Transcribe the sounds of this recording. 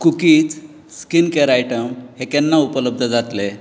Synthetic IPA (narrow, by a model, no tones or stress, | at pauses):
kukiːt͡s | skinkeɾajʈəmhekɛnːaupələb̚d̪ʱəd͡zat̪le